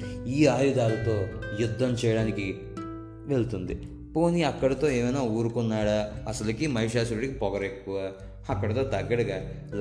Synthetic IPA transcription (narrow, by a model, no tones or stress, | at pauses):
iːaːjud̪aːlɐt̪o̞ːjud̪ʱːɐmt͡ʃɛːjɐɽaːniki | ʋe̞ɭut̪und̪i | po̞ːniɐkːɐɽɐt̪o̞ːeːmɐjnaːuːɾukunːaːɽaːɐsɐlɐkimɐɦiʂaːsuɾʈikipɔɡɐɾe̞kːuʋaː | ɐkːɐɽɐt̪o̞ːt̪ɐɡːɐɽɐɡaː | l